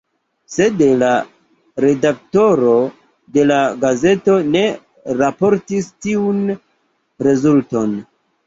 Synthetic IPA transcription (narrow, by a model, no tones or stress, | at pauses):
se̞dela | ɾe̞dakto̞ɾo̞ | de̞laɡaze̞to̞ne̞ | ɾapo̞ɾtistiun | ɾe̞zulto̞n